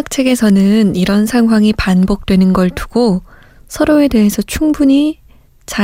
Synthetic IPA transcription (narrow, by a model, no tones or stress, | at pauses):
k̚t͡ɕʰe̞ɡe̞sʰʌnɯniɾʌnsʰaŋɦwaŋipanbok̚t͈we̞nɯnɡʌɭtuɡ̥o | sʰʌɾoe̞de̞ɦe̞sʰʌt͡ɕʰuŋbuɲi | t͡ɕa